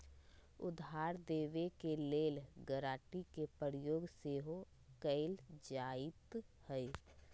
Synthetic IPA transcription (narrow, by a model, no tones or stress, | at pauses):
ʊd̪ʱaːɾd̪eːʋekeleːlɡəɾaːʈikepəɾjoːɡseːɦo | kəɪld͡ʒaːɪt̪həi